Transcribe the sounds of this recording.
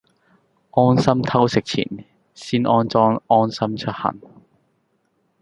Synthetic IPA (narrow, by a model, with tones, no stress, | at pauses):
ʔɔː˥nsɐ˥mt̪ʰɐ˥wsɪ˨k̚t͡sʰḭː˨˩n | siː˥nʔɔː˧˥nt͡sɔː˧˥ŋɔː˥nsɐ˥mt͡ʃʰɵ˥t̚hɐ̰˨˩ŋ